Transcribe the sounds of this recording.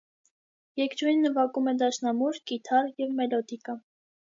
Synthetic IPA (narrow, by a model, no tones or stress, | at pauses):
jɛkɾujnːəvɑkumɛd̪ɑʃnɑmuɾkit̪ʰɑrjɛvmɛlɔd̪ikə